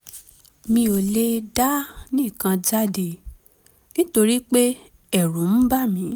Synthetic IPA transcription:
mĩ˧o˨le˧da˦nĩ˦˨kã˧d͡ʒa˦de˨ | nĩ˦to˧ɾi˦k͡pe˦ | ɛ˦˨ɾũ˨˦m̩˦ba˦˨mĩ˨˦

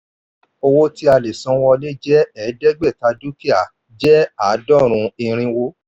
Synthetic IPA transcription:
o˧wo˦ti˦a˧le˨sɔ̃˨˧˦wɔ˧le˦d͡ʒɛ˦ɛ˨˦dɛ˦ɡ͡bɛ˦˨ta˧˦du˦ki˦a˦˨ | d͡ʒɛ˦a˨˦dɔ˦˨ɾ̃ũ˧i˧ɾ̃ĩ˧wo˧˦

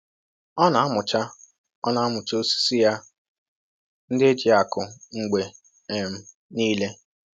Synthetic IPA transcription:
ɔ˦na˨a˦mʊ˨t͡ʃa˦ | ɔ˦na˨a˦mʊ˨t͡ʃo˦si̥˦si˦ja˦ | n̩˦dɪ˦e˦d͡ʒi˨a˨kʊ˨ŋ͡m̩˨ɡ͡be˨ | e˨m̩˦ | niː˦le˦

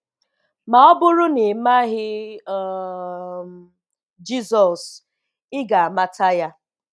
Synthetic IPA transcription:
ma˨ɔ˦bʊ˦ɾʊ˦ne˨ma˦ɦɪ˦ | d͡ʒi˦sɔ˨s | ɪ˦ɡa˨a˨ma˦tʰa˦ja˦

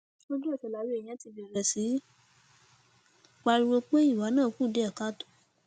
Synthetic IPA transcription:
o˦d͡ʒu˦ɛ˦˨fɛ˨la˨˦wi˦e˨j̃ã˦ti˧bi˧ɛ˨ɾɛ˨si˨˦ | k͡pa˧ɾi˧ɾo˧k͡pe˦i˦˨wa˨˦nãː˦˨kũ˦˨de˦ɛ˦˨ka˦to̥˦˨

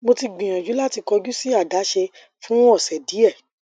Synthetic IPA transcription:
mo˧ti˧ɡ͡bĩ˨j̃ã˨d͡ʒu˨˦la˦ti˧kɔ˧d͡ʒu˦si˦a˦˨da˨˦ʃe˧ | fũ˦ɔ˦˨sɛ˨di˨˦ɛ˦˨

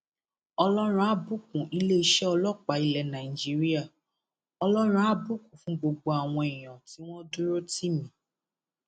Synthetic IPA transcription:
ɔ˧lɔ˦ɾ̃ũ˦a˨˦bu˦k̚ũ˨ʔi˦le˦i˧˦ʃɛ˦ɔ˧lɔ˦˨k͡pa˨i˧lɛ˧nã˨i˨d͡ʒi˦ɾi˦a˦˨ | ɔ˧lɔ˦ɾ̃ũ˦a˦bu˦kũ˨fũ˦ɡ͡bo˧ɡ͡bo˧a˨w̃ɔ̃˧ɛ˨j̃ɔ̃˨ti˨˦w̃ɔ̃˦du˦ɾo˦ti˦mĩ˨˦

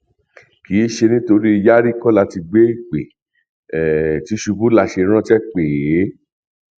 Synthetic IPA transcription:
ki˨˦ʃe˧nĩ˦to˧ɾi˦i˧ja˦ɾi˦kɔ˦la˧ti˧ɡ͡be˦i˦˨k͡pḛ˨ | ɛ˨ti˨˦ʃu˧bu˦la˧ʃe˧˦ɾ̃ã˦t͡ʃɛ˦k͡pe˨˦

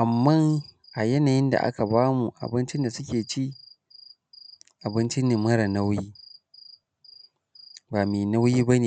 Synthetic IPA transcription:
ʔa˨mːa˦˨ŋʔa˨jɛ˦naː˨jɪ˦nda̰˨ʔa̰˦ka˨baː˦mu˨ʔa̰˨bɪ˦nt͡ʃɪ˦nda˨sʊ˦kʲeː˨t͡ʃi˦ | ʔa˨bɪ˦nt͡ʃɪ˦nɪ˨mːɐ˦ɾa˨na˦wjiː˦ | baː˨meː˨na˦wjiː˦ba˦neː˨

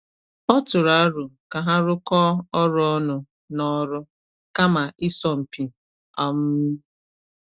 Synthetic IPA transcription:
ɔ˦tʊ˨ɾa˨˦ɾʊ˨ka˨ɦa˦ɾʊ˦kɔ˦ɔ˦ɾɔ˦ɔ˦nʊ˨ | nɔ˦ɾʊ˦ | ka˦ma˨ɪ˦sɔ˦m̩˨pi˨ | ɔ˦m̩˦

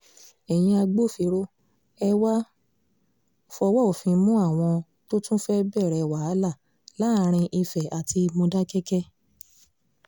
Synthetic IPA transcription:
ɛ˨j̃ĩ˧a˧ɡ͡bo˦˨fi˨˧˦ɾo˦ | ɛ˧wa˦ | fɔ˧wa˦o˨fĩ˧˦mũ˦a˦˨w̃ɔ̃˧ | to˦tũ˦fɛ˦bɛ˦˨ɾɛ˨wa˨a˨˦la˦˨ | la˨˦˧ɾ̃ĩ˧ʔi˧fɛ˨a˨ti˧mõ˧da˦kɛ˦kɛ˦

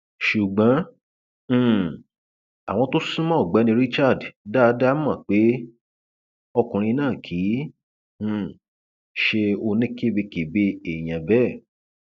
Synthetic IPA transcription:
ʃu˨ɡ͡bã˨˦˨ | a̰˨w̃ɔ̃˧to˦sũ˦mã˦ɔ˦˨ɡ͡ba˨˦nĩ˧ɾi˦t͡ʃa˦˨dda˦da˦mã˦˨k͡pe˨˦ | ɔ˧kũ˨ɾ̃ĩ˧nãː˦˨kʰĩː˨˦˨ | ʃe˧o˧nẽ˦ke˦be˧ke˨be˧e˨j̃ã˨bɛ˦˨

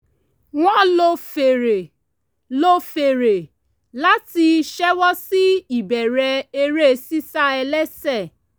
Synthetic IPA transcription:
w̃ɔ̃˦lo˧fe˨ɾe˨ | lo˦fe˨ɾe˨ | la˦ti˧ʃɛ˦wɔ˦si˦i˨bɛ˨ɾɛ˧e˧ɾe˦˧si˦sa˦ɛ˧lɛ˦sɛ˦˨

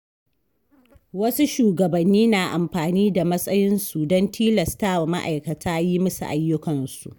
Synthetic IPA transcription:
wɐ˦su˦ʃuː˨ɡɐ˨bɐ˨nːiː˦naː˨ʔa˨mɸaː˨niː˦da˨mɐ˦sʼɐ˦jɪ˦nsu˨dɔ˦ntʰiː˦lɐ˨staː˦wa˨ma̰˦ʔa̰˨jkɐ˨tʰaː˦ji˦mɐ˦sṵ˨ʔa˦jːʊ˦kɐ˨nsṵ˨ʔ

